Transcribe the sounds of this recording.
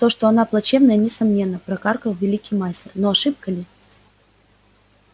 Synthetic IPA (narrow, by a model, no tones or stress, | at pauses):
t̪o̞ʂt̪o̞ɐnaplˠɐt͡ɕe̞vnəjənʲɪsɐmnʲe̞nːəpɾɐkarkəlˠvʲɪlʲikʲɪjmajsʲtʲɪrno̞ɐʂɨp̚kəlʲɪ